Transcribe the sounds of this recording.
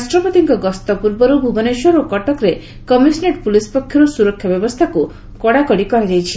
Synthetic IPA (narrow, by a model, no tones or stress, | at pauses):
asʈɾɔpɔt̪iŋkɔɡɔst̪ɔpuɾbɔɾubʱubɔneʃɔɾokɔʈɔkɾe | kɔmisneʈpulispɔkʰjɔɾusuɾɔkʰːjɔbjɔbɔst̪ʰaku | kɔɽakɔɽikɔɾad͡ʒajt͡ʃʰi̥